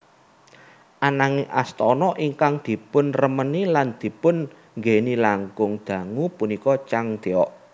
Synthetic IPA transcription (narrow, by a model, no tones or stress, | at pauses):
ʔanaŋeʔa̰st̪ɔnɔʔiŋkaŋd̪̥i̤pʊnrəməniland̪̥i̤pʊn | ŋɡenilaŋɡʊŋd̪̥ä̤ŋupunikɔt͡ʃaŋd̪̥eɔʔ